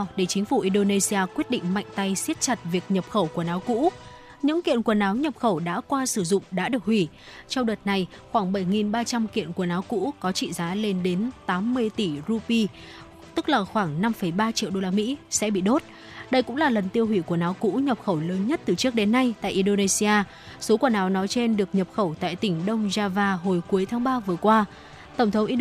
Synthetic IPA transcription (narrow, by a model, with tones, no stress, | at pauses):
ɗe˧˩t͡ɕï˨˦ŋ̟fu˧˩ʔi˧ɗo˧ne˧si˧aː˧kwi˦˥ət̚ɗḭ̈˧˨ŋ̟ma̰˧˨jŋ̟t̪a˧jsi˦˥ət̚t͡ɕa˨˩t̚vi˨˩ək̚ɲə˨˩p̚xə˧˩wku˧˩ənaː˨˦wkṵ˧˥ | ɲɨ̰˧˥ŋkḭ˧˨ənku˧˩ənaː˨˦wɲə˨˩p̚xə˧˩wɗa̰ː˧˥kwaː˧sɨ˧˩zʊ̰˧˨ŋ͡mɗa̰ː˧˥ɗɨ˨˩ək̚hwi˧˩ | t͡ɕɔ˧wɗəː˨˩t̚na˧jxwaː˧˩ŋɓə˧˩jŋi˨˩nɓaː˧t͡ɕa˧mkḭ˧˨ənku˧˩ənaː˨˦wkṵ˧˥kɔ˨˦t͡ɕḭ˧˨zaː˨˦le˧nɗe˨˦nt̪aː˨˦mːɨ˧əjt̪i˧˩zu˧pi˧ | t̪ɨ˦˥k̚laː˨˩xwaː˧˩ŋna˧mfə˧˩jɓaː˧t͡ɕḭ˧˨wɗo˧laː˧mḭ˧˥sɛ̰˧˥ɓḭ˧˨ɗo˦˥t̚ | ɗə˧jkʊ̰˧˥ŋ͡mlaː˨˩lə˨˩nt̪i˧əwhwi˧˩ku˧˩ənaː˨˦wkṵ˧˥ɲə˨˩p̚xə˧˩wləː˨˦nɲə˦˥t̚t̪ɨ˨˩t͡ɕɨ˦˥ək̚ɗe˨˦nːa˧jt̪a̰ː˧˨jʔi˧nɗo˧ne˧si˧aː˧ | so˨˦kwnaː˨˦wnɔ˨˦jt͡ɕe˧nɗɨ˨˩ək̚ɲə˨˩p̚xə˧˩wt̪a̰ː˧˨jt̪ï˧˩ŋ̟ɗə˧wŋ͡mzaː˧vaː˧ɦo˨˩jku˨˦əjt̪ʰaː˨˦ŋɓaː˧vɨ˨˩əkwaː˧ | t̪ə˧˩ŋ͡mt̪ʰə˨˦wŋ͡mʔi˧